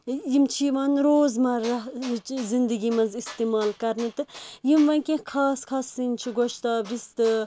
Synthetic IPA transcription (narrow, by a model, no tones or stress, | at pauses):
jimt͡ʃʰiʋaːnɾoːzmɐɾɐzind̪ɨɡimɐ̃nzist̪emaːlkɐɾnɨt̪ɨjimʋɐnkẽkʰaːskʰaːsint͡ʃʰiɡoʃt̪aːbɾist̪ɨ